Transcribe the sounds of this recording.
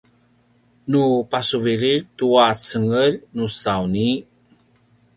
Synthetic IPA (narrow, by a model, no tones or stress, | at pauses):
nupasuviɾiɾtuat͡səŋəlnustawni